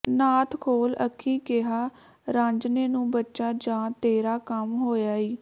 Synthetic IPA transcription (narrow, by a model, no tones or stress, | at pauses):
naːt̪ʰkʰoːlə̰kʰːĩːkɪɦaː | ɾãːɲd͡ʒneːnũːbətːʃaːd͡ʒãːt̪eːɾaːkəmɦoːjaːiː